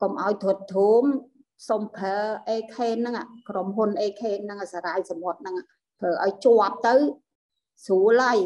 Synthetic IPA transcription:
komʔaɔjt̪ʰəət̪ʰːuːm | sompʰəːʔeːkʰeːnːɨŋakromɦunʔeːkʰeːnːɨŋasaːɾajsɑmʋot̪̚nɨŋaʔ | t̪ʰʋəːʔaɔjt͡ɕʊəp̚t̪ɨw | suːlaj

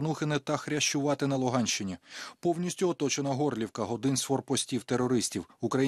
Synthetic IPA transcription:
nuxɪnɪt̪ɐxɾʲɐʃt͡ʃʊʋɑt̪ɪnɐlˠʊɦɑnʲʃt͡ʃɪnʲipɔwnʲisʲtʲʊɔt̪ɔt͡ʃenɐɦɔrlʲiwkɐɦɔd̪ɪnsfɔrpɔsʲtʲiwt̪erɔɾɪsʲtʲiwʊkɾɐj

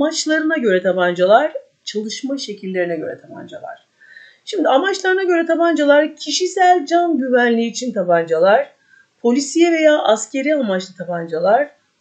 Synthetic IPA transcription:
mat͡ʃlˠaɾɯnaɟø̞ɾɛt̪ʰapand͡ʒalˠaɾ̥ | t͡ʃʰalˠɯʃmaʃe̞cʰilʲːe̞ɾinɛɟø̞̰ɾɛ̰t̪ʰapʰa̰nd͡ʒa̰lˠa̰ɾ̥ | ʃimd̪iamat͡ʃlˠaɾɯnaɟø̞ɾɛt̪ʰapand͡ʒalˠaɾcʰiʃisælʲd͡ʒanɟyvænlʲiːt͡ʃʰint̪ʰapand͡ʒalˠaɾ̥ | pʰo̞lʲisijɛve̞jaːʔascʰe̞ɾiamat͡ʃlˠat̪ʰapand͡ʒalˠaɾ̥

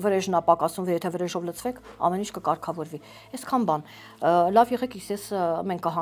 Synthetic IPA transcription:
vəɾɛʒnɑpɑkɑsumvɔjɛt̪ʰɛvəɾɛʒɔvlət͡sʰvɛkʰɑ̰mɛnint͡ʃʰkəkɑɾkʰɑvɔɾvi | ɛskʰɑnbɑn | lɑvjɛʁɛkʰisjɛsmɛŋkʰkːəɦɑ

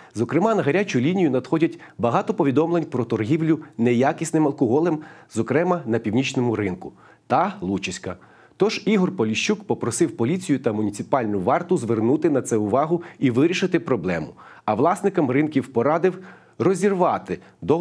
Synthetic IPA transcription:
zɔkɾɪmɑnɐɦɐɾʲat͡ʃʊlʲinʲijʊnɐd̪xɔdʲɐtʲ | bɐɦɑt̪ɔpɔʋʲid̪ɔmlˠenʲpɾɔt̪ɔrɦʲiwlʲʊnɛjakʲisnɪmɐlˠkɔɦɔlˠɛmzɔkɾɛmɐnɐpʲiwnʲit͡ʃnɔmʊɾɪnkʊ | t̪ɐlˠut͡ʃisʲkɐ | t̪ɔʒiɦɔrpɔlʲiʃt͡ʃːukpɔpɾɔsɪwpɔlʲit͡sʲijʊt̪ɐmʊnʲit̪sɪpɑlʲnʊʋɑrt̪ʊzʋernut̪ɪnɐt̪sɛʊʋɑɦʊiʋɪɾʲiʃɪt̪ɪpɾɔblˠɛmʊɐʋlˠɑsnɪkɐmrɪnkʲiwpɔɾɑd̪ɪw | rɔzʲirʋɑt̪ɪ | d̪ɔ

